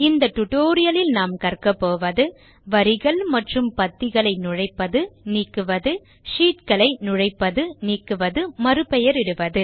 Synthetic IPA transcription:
ɪnd̪ɐʈʊʈoːɾɪjɐlɪlnaːmkɐrkɐpːoːʋɐðɯ | ʋɐɾɪɣɐɭmɐʈrɯmpɐt̪ːɪɣɐɭɐɪnʊɻɐɪpːɐðɯniːkːɯʋɐðɯ | ʂiːʈkɐɭɐɪnʊɻɐɪpːɐðɯniːkːɯʋɐðɯmɐɾɯpɛjɐɾɪɽɯʋɐðɯ

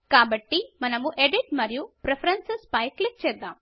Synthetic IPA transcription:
kaːbɐʈːimɐnɐmuʔeɖiʈmɐɾijupɾepʰɐɾɐnsespɐjklik̚t͡ʃɛːd̪ːaːm

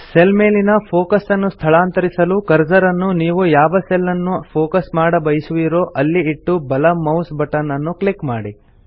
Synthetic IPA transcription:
selme̞ːlinɐpʰoːkɐsɐnːust̪ʰɐɭaːnt̪ɐɾisɐlukɐɾd͡ʒɐɾɐnːuniːʋujaːʋɐselːɐnːupʰoːkɐsmaːɽɐbɐjisuʋiɾoːʔɐlːiiʈːubɐlɐmɐwsbɐʈːɐnːɐnːuklikmaːɽi

